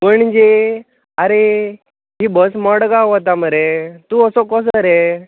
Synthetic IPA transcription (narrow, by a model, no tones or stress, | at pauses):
məɳd͡ʑe | aɾe | ɦibəsmɔɽɡaɦɔt̪aməɾet̪uəsɔkɔs̬əɾe